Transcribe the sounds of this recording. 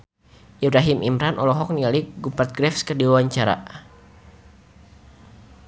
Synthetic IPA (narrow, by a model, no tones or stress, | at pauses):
ʔibɾaɦimʔimɾanʔɔlɔɦɔk̚nialiɡupat̪̚ɡɾɛfskədiwawaɲt͡ʃaɾa̰